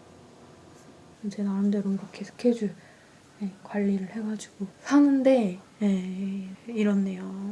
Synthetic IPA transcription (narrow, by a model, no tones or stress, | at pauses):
ɯd͡ʑʰenaɾɯndeɾomiɡʌkʰe̞sʰo̥kʰe̞d͡ʑu | jekwaʎːiɾɯɭhe̞ɡad͡ʑiɡ̥osʰaŋɯnde̞je | iɾʌnːe̞jo